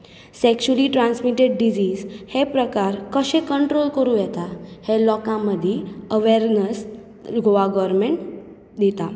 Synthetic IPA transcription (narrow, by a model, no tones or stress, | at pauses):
sekɕuəliʈɾãnsmiʈeɖɖid͡ʑiːzhepɾəkaɾkəɕẽkəɳʈɾolkəɾujɛt̪ahelɔkãməd̪ʱjeəʋeɾnəs | ɡʱoʋaɡɔɾmeɳʈ | d̪it̪a